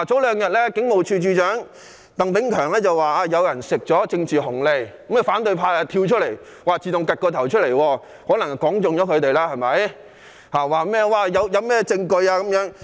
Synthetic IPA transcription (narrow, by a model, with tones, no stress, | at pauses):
t͡so˨˥wlœː˨˧ŋjɐ˨t̚lɛː˥kɪ˨˥ŋmo˨˩wt͡ʃʰyː˧t͡ʃyː˧t͡ʃœː˨˥ŋ | t̪ɐ˨ŋpɪ˨˥ŋkʰœː˨˩ŋlɛː˥t͡sɐ˨wwaː˨˩aː˧jɐ˨˧wjɐ˨˩nsɪ˨k̚t͡sɔː˨˥t͡sɪ˧ŋt͡siː˨ɦʊ˨˩ŋle˨˧j | mɛ˨˩faː˨˥nt̪ɵ˧ɥpʰaː˧a˧t̪ʰiː˧wt͡ʃʰɵ˥t̚le˨˩j | waː˨˩t͡siː˨˧t̪ʊ˨ŋkɐ˨˩t̚kɔː˧t̪ʰɐ˨˩wt͡ʃʰɵ˥le˨˩jwɔː˧ | hɔː˨˥nɐ˨˩ŋ˨kɔː˨˥ŋt͡sʊ˨ŋjɔː˨˧˥kʰɵ˨˧ɥt̪e˨jlaː˥hɐ˨jmɐ˨˥j | haː˨˩waː˨mɛː˥waː˨˧jɐ˨˧wjɐ˨˧wmɛː˥t͡sɪ˧ŋkɵ˧ɥaː˧kɐ˨˥mjœː˨˥ŋ